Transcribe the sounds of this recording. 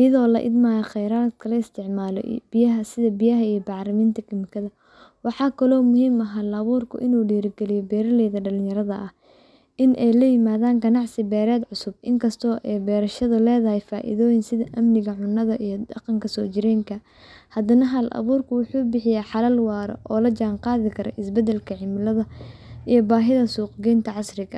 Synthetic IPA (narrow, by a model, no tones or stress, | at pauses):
ʔɪjɐðɔːlɐʔɪ̰d̪maːjɐqɛjɾaːd̪kʰɐlɐɪst̪ʰɪʕmaːlɔ̰bɪjɐɦɐsɪðɐbɪjɐɦɐijɞbɑʕɾɐmiːnt̪ʰɐkʰɪmɪkʰɐðɐ | wɑħɑːkʰɐlɔːmʊhiːmɐɦɐlɐβuːrkʰʊ̰ʔɪnuːɖiːɾɪɡɛlɪjɔbɛːɾɐlɛjðɐɖɐlɪjɐɾɐðɐ̰ʔɐh | ʔɪnʔɛjlɐjɪmaːðaːŋɡɐnɑʕsɪbɛːɾɛːd̪ʕʊsʊb̚ɪŋkʰɐst̪ʰɔːʔɛjbɛːɾɐʃɐðʊlɛːðɐhɛjfaːʔɪ̰ðɔːjɪnsɪðɐʔɐmnɪɣɐʕʊnːɐðɐʔijɞd̪ɐqɑŋkʰɐsɔːt͡ʃɪɾɛːŋkʰɐ | hɐd̪ɐnɐɦɐlʔɐ̰βuːrkʰʊwʊħuːbɪħɪjaːħɑlɐlwɑːɾɔ̰ʔɔːlɐd͡ʒaːnqɑːðɪkʰɐɾʔɔ̰ʔɪsbɛd̪ɛlkʰɐʕɪmɪlɐðɐʔijɔbaːɦɪðɐsuːqɡɛːnt̪ʰɐʕɑsrɪɣɐ